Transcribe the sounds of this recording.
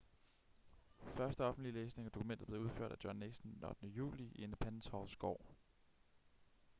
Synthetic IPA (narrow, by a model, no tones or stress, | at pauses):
fɶɐsd̥əɒ̽fn̩d̥lileːsne̝ŋæd̥o̝kʰumen̰dð̩ˠble̝uð̞ˠfø̰ɐ̰d̥æd̥jɒnːeɡ̥sn̩d̥en̩ɒ̽d̥nəjṵːlienpʰænsʰɒʊsɡ̥ɒ̰ː